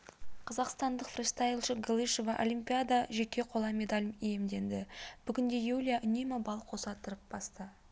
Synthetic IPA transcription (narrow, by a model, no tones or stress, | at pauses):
qʰɑzɑqst̪ɑnd̪əqfrʲst̪ajlˠʃəɡolˠijʃovɑʔo̰lʲijmpʲijad̪aʒe̞kʲe̞qʰo̞lˠɑme̞d̪alʲmije̞md̪e̞nd̪ɪb̥ʏɡʲɪnd̪e̞julʲijaʔʏnemɪbɑlˠqʰo̞sɑt̪əɾəp̚b̥ɑst̪ə